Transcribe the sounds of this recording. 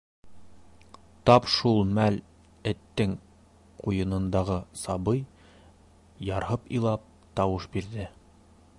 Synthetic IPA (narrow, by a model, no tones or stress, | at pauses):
t̪ɑpʃulˠmæl | ɘ̆t̪ːɘŋ | qujɤ̆nɤ̆nd̪ɑʁɤsɑbɤj | jɑɾɦɤpilˠɑp̚ | t̪ɑwɤʃbiɾðɘ